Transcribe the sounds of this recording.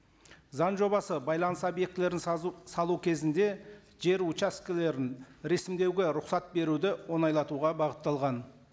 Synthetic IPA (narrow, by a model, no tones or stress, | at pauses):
zɑnʒo̞bɑsəbɑjlˠɑnəsobje̞k̚t̪ɪleɾɪnsɑlˠukʲʰe̞zɪnd̪e̞ | ʒe̞ɾut͡ʃaskʲɪle̞ɾɪnɾe̞sɪmd̪e̞wɡʲeɾʊqsɑt̪̚be̞ɾud̪ɪwo̞nɑjlˠɑt̪uʁɑbɑʁət̪ːɑlˠʁɑn